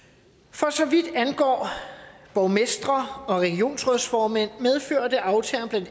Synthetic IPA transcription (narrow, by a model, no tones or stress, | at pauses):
fɒ̽sɒ̽ʋid̥ænɡ̥ɒ̰ːb̥ɒʊmesd̥ʁɐɒ̽ʁeɡ̥io̝̰ːnsʁœðˠsfɒːmen̰með̞ˠfø̰ːɐd̥e̝ʔɑ̈ʊt͡sʰɛːɐnb̥læn̰d̥